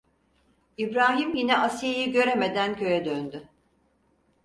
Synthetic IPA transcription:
ibɾaːɦimjinɛasijejiɟø̞ɾeme̞d̪æncʰø̞jɛd̪ønd̪ʏ

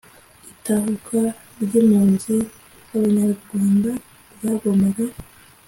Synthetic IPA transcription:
itaɦukʰa | ɾɟimuːnzi | haβaɲaɾuɾɡwaːnda | ɾɡaɡomaɡa

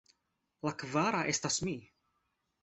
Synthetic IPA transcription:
lɐkvaːɾɐʔɛst̪ɐsmiː

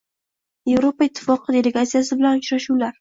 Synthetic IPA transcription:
je̞vɾo̞paɪt̪ʰːɪ̥fɒqʰɨd̪e̞le̞ɡat̪sijasɪbɪlanʊt͡ʃɾaʃuwlaɾ

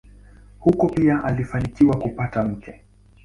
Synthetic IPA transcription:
hukɔpiaʔalifanikiwakupatam̩kʰɛ

